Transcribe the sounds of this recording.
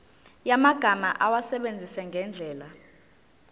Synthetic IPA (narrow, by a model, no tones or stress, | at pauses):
jamaɡ̥ʱamaʔawasɛɓend͡zʱisɛŋɡʱɛnd͡ɮʱɛːla